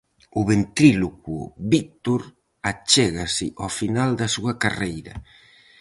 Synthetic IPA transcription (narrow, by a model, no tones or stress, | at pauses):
ʊβent̪ɾilokṵβik̚t̪oɾ | at͡ʃɛɣasɪʔofinald̪ɐsuɐkarejɾɐ̰